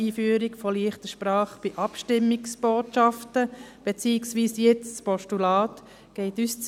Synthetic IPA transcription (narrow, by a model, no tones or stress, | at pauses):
iːfyːɾikfɔliːəχtəʃpɾɑːχb̥ɪʔɑpʃtɪmːɪksb̥oːtʃɑftəb̥et͡siːksʋiːsjɛt͡sspɔʃtulɑːt | ɡ̥ɛɪtyst͡s